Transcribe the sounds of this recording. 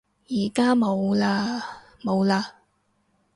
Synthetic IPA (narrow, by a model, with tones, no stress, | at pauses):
jiː˨˩kaː˥mo˨˧wlaː˧ | mo˨˧wlaː˧